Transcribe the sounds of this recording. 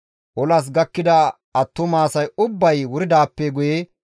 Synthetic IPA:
ʔɔlɐs̬ɡɐkːɪd̪ɐ | ɐt̪ːʊmaːsɐjʊbːɐjwʊɾɪd̪aːpːɛɡʊje

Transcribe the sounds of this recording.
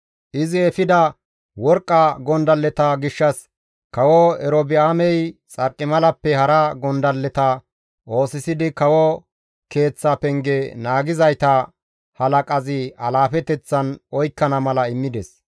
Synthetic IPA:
ʔɪzɪɛfɪd̪ɐ | wɔɾkʼːɐɡɔnd̪ɐlːɛt̪ɐɡɪʃːɐs | kɐwɔɛɾobɪaːmɛjt͡sʼɐɾkʼːɪmɐlɐpːɛhɐɾɐɡɔnd̪ɐlːɛt̪ɐ | ʔo̞ːsɪsɪd̪ɪkɐwɔ | ke̞ːt͡sːapɛŋɡɛnaːɡɪzɐjt̪ɐ | hɐlɐkʼɐzɪɐlaːfɛt̪ɛt͡sːɐnɔjkːɐnɐmɐlɐɪmːɪd̪ɛs

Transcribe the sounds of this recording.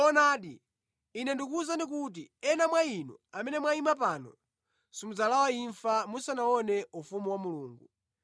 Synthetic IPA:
ɔnaːɗiː | nɛndikuzandik̬ut̬iɛnamwainṵamɛnɛmwaimap̬aːnɔ̰ | simud͡zalawaiɱfamusanawɔnɛufumuwamuluːŋɡu

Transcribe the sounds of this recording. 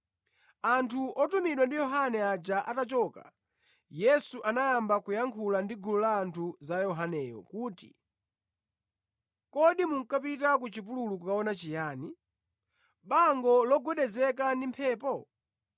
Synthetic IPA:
antʰuʔɔtumiɗwandijɔɦanɛad͡ʒaʔatat͡ʃɔka̰ | jɛsuʔanajambakujaŋkʰulandiɡulɔlaːntʰuzajɔɦanɛjɔ̰kuːtḭ | kɔɗimuŋ̩kapitak̬ut͡ʃip̬ululukukaɔnat͡ʃijaːni | ɓaŋɡɔlɔɡwɛɗɛzɛkandimpʰɛːpɔ

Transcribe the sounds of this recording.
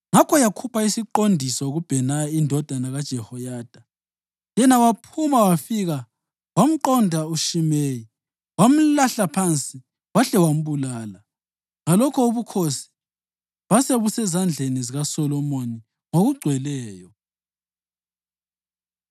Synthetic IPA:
ŋakʰɔjakʰupʰaisiǃondʱisɔoɣub̥ʱɛnaindʱɔd̥ʱanaɣad̥ʒ̥ʱɛhɔjaːd̥ʱa | jɛnawapʰumawafiɣa | wam̩ǃɔndʱauʃimeːji | wam̩laɬapʰant͡sʼi | waɬɛwam̩βulaːla | ŋalɔkʰɔuβukʰosi̥ | βaseβusɛzand͡ɮʱeniziɣasɔlɔmoni | ŋoɣuɡ͡ǀʱwɛlɛːjɔ

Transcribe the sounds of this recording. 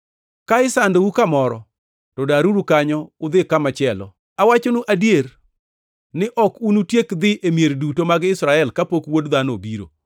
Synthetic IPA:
kaɪsandoukamɔɾɔ̰ | tɔdaɾuɾukaɲɔʊd̪ɪkamat͡ʃɛlɔ̰ | awat͡ʃonuʔadjeɾ | nɪʔɔkunutjekd̪ɪʔemjeɾdutomaɡɪsɾaɛlkapokwodd̪anobiɾo̰

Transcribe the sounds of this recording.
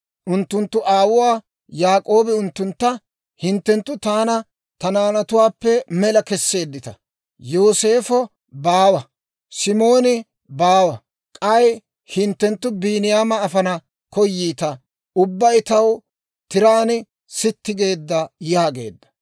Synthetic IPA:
ʔʊnt̪ːʊnt̪ːʊʔaːwʊwaː | jaːkʼo̞ːbɛʊnt̪ːʊnt̪ːɐ | hɪnt̪ːɛnt̪ːʊt̪aːnɐ | t̪ɐnaːnɐt̪ʊwaːpːɛmɛlɐkɛsːe̞ːd̪ːɪt̪ɐ̰ | joːse̞ːfɔ | baːwɐ | sɪmo̞ːnɪ | baːwɐ | kʼɐj | hɪnt̪ːɛnt̪ːʊbiːnɪjaːmɐːfɐnɐ | kɔjːiːt̪ɐ | ʊbːɐjt̪ɐw | t̪ɪɾaːnɪ | sɪt̪ːɪɡe̞ːd̪ːɐjaːɡe̞̰ːd̪ːɐ̥

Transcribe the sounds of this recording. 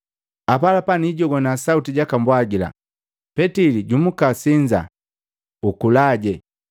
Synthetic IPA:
apalapaniɟɔɡɔnasautiɟakambwaɡila̰ | pɛtiliɟumukasiɲd͡ʒa̰ | ukulaɟɛ

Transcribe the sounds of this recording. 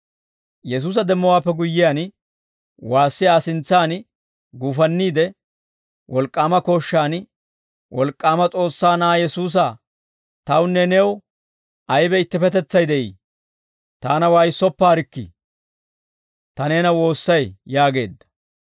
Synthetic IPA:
jɛs̬uːs̬ɐd̪ɛmːɔwaːpːɛɡʊjːɪjaːn | waːsːɪjaːsɪnt͡sːaːn | ɡuːfɐnːiːd̪ɛ | wɔlkʼːaːmɐko̞ːʃːaːn | wɔlkʼːaːmɐt͡sʼo̞ːsːaːnaːjɛsuːs̬ɐ | t̪ɐwnːɛnɛw | ɐjbɛɪt̪ːɪpɛt̪ɛt͡sːɐjd̪ɛʔḭː | t̪aːnɐwajsːɔpːaːɾɪkːɪ̰ | t̪ɐne̞ːnɐwo̞ːsːɐjjaːɡe̞̰ːd̪ːɐ̥

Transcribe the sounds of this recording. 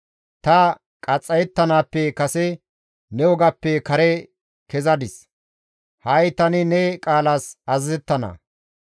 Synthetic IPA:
t̪ɐ | kʼɐt͡sʼːɐjɛt̪ːɐnaːpːɛkɐsɛ | nɛwɔɡɐpːɛkɐɾɛ | kɛzɐd̪ɪs | hɐjt̪ɐnɪnɛkʼaːlaːsɐzzɛt̪ːɐnɐ̰

